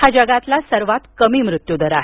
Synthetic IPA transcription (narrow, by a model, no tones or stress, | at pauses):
had͡ʑəɡat̪lasəɾʋat̪kəmiːmɾut̪jud̪əɾaɦe